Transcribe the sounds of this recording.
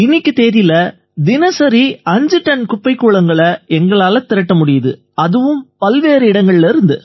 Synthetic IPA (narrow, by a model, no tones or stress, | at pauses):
ɪnːɪkːɯt̪eːɾɪlɐ | d̪ɪnɐsɐɾiɐɲd͡ʒɯʈːɐnkʊpːɐɪkːuːɭɐŋɡɐɭɐɛŋɡɐɭaːlɐt̪ɪɾɐʈːɐmʊɽɪjɐðɯ | ɐðɯʋɯmpɐlʋeːɾɯɪɽɐŋɡɐɭɪlɐɪɾɯnd̪ɯ